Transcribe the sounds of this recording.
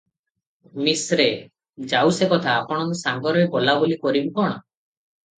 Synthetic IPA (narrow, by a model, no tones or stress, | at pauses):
misɾe | d͡ʒawsekɔt̪ʰaːpɔɽ̃ɔŋkusaŋɡɔɾebolabolikɔɾibikɔɽ̃ɔ